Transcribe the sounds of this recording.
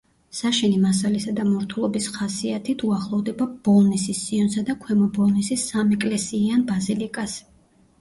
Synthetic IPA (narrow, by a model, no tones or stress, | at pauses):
saʃɛnimas̬alisad̪amɔɾt̪ʰulˠɔbisχasiat̪ʰit̪ʰuaχlˠɔvd̪ɛbabɔlˠnisisːiɔnsad̪akʰwɛmɔbɔlˠnisisːamɛkʼlɛsiːanbazilikʼas